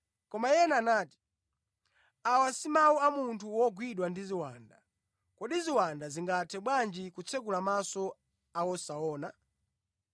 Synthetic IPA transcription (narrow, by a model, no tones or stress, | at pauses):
kɔmajɛnaːnaːti̥ | awasimauamuntʰuwɔɡwiɗwandiziwanda | kɔɗiziwandaziŋɡatʰɛɓwand͡ʒikut͡sʰɛk̬ulamasɔ | awɔsaɔːna